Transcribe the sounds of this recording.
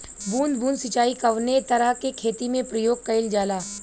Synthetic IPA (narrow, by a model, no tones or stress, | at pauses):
buːnd̪bũːnd̪sɪt͡ʃaːikɐʋnet̪ɐɾəɦkekʰeːt̪imẽpɾɐjoːɡ̚kɐɪld͡ʒaːlaː